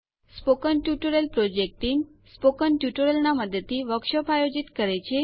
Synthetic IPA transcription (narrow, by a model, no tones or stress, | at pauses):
spokənʈjuʈoɾelpɾod͡ʒek̚ʈim | spokənʈjuʈoɾelnaməd̪ət̪ʰːiʋəkʃəpajod͡ʒit̪kəɾet͡ʃʰe